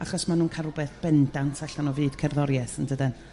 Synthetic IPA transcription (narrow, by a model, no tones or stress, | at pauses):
aχɔsmanuːnkʰarʊbɛθb̥ɛndantʰaɬanɔvɨːd̥kʰɛrðɔɾjɛsəndədɛn